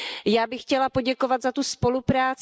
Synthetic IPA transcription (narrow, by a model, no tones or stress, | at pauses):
jaːbɪxːcɛlapo̞ɟɛkovat̪zat̪uspo̞lupɾaːt͡s